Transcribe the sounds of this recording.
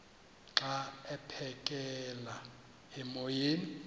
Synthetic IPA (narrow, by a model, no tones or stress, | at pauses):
ǁaɛpʰɛkʼɛla | ɛmojeːni